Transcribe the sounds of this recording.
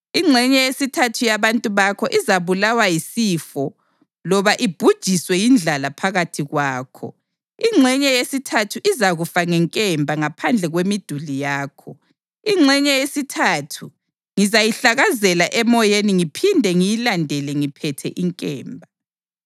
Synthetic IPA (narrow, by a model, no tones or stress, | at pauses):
iŋ͡ǁʱɛɲɛjesitʰatʰujaβantʼuβakʰɔʔizaβulawajisiːfɔ | lɔβaʔib̥ʱud̥ʒ̥ʱiswɛjind͡ɮʱalapʰaɣatʰiɣwaːkʰɔ̰ | iŋ͡ǁʱɛɲɛjesitʰatʰuʔizaɣufaŋɛŋkʼɛmbʱaŋapʰand͡ɮʱɛɣwemid̥ʱulijaːkʰɔ | iŋ͡ǁʱɛɲɛjesitʰatʰu | ŋizajiɬaɣazɛlaʔɛmɔjeniŋipʰindʱɛŋijilandʱɛlɛŋipʰɛtʰɛ̰ʔiŋkʼɛ̰ːmbʱa